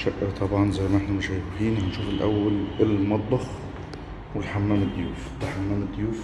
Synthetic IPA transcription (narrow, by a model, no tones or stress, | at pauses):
ʃaʔɪɾt̪ˤɑbʕɑnzajːmaʔɪħnamʊʃajwiːnhanʃuːfɪlʔa̰wːalʔɪlmɑd̪ˤːɑx | wɪlħamːaːmɪd̪ːjuːf | alħamːaːmɪd̪ːjuːf